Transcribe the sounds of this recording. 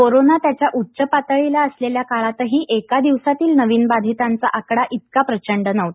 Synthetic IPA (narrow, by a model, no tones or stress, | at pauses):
koɾonat̪jat͡ɕjaʔutːɕəpat̪əɭilaəsleljakaɭat̪əɦiːʔekad̪iʋsat̪iːlnəʋiːnbad̪ʱit̪ant͡saʔakɽaʔit̪̚kapɾət͡ɕəɳɖənəʋt̪